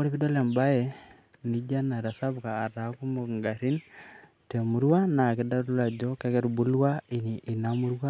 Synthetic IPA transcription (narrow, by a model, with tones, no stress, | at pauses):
o˦ɾi˦pi˦do˦lɛ˨mba˦jɛ˨ | ni˦d͡ʒa˦na˨ɾa˨sa˦bkaː˨ɾa˨ku˦mu˨ŋɡa˨ɾi˦n | te˨mu˦ɾwa˦na˨ki˨da˦ɾu˦la˨d͡ʒɔ˦kɛ˦kɛ˦ɾbu˦lwa˦i˨ni˨ʔːnamu˦ɾwa˦